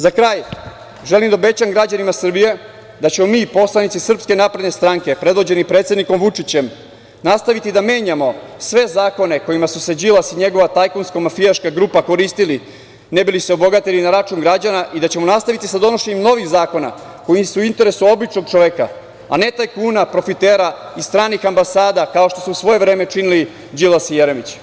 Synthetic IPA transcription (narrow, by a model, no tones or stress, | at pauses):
zakɾaːj | ʒe̞limd̪aobe̞t͡ɕaŋɡɾad͡ʑanimasr̩bije̞ | d̪at͡ɕe̞mo̞miːpo̞slˠanit̪sisr̩pske̞napɾed̪ne̞st̪ɾaŋke̞pɾe̞d̪ʋo̞d͡ʑe̞nipɾet̪sed̪niko̞mʋut͡ʂit͡ɕe̞m | nast̪aʋit̪id̪ame̞ːɲamo̞sʋe̞zaːko̞ne̞ko̞jimasused͡ʑilasiɲe̞ɡo̞ʋat̪ajkonskomafiaʃkaɡɾupako̞ɾist̪ili | nebiliseobo̞ɡat̪elinaɾat͡ʃuːŋɡɾad͡ʑanaʔid̪at͡ɕe̞mo̞nast̪aʋit̪isad̪o̞no̞ʃeɲemno̞ʋixzaːko̞na̰ | ko̞jimsuuint̪e̞ɾe̞suo̞bit͡ʂno̞ɡ̚t͡ʂo̞ʋeka̰ | a̰ne̞t̪ajkuːnapɾo̞fit̪eːɾaist̪ɾaːnixambasaːd̪akao̞ʃt̪o̞suusʋo̞je̞vɾeːme̞t͡ʂinili | d͡ʑilasijeɾemit͡ɕ